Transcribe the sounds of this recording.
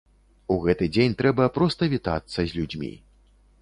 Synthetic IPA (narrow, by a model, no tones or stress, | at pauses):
uɣɛt̪ɨd͡zʲenʲt̪ɾɛbɐpɾɔst̪ɐvʲit̪a̰t̪sːɐzʲlʲud͡zʲmʲḭ